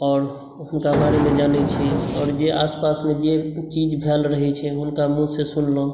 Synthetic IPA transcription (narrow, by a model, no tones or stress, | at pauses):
ɔːɾ | ɦʊmkabaɽemed͡ʒanɛt͡ʃʰiɔːɾd͡ʒeʔaspasmed͡ʒet͡ʃid͡ʒbʱelɾəɦɛt͡ʃʰɛɦʊnkamũsesunlõ